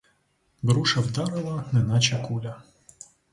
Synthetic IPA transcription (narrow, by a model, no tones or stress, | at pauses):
bɾuʃɐwd̪ɑɾɪlˠɐnɛnɑt͡ʃɐkulʲɐ